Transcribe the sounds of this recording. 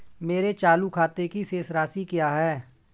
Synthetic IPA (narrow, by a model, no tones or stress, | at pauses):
meːɾet͡ʃaːlukʰaːt̪ekiseːsɾaːsikjaːɦɛː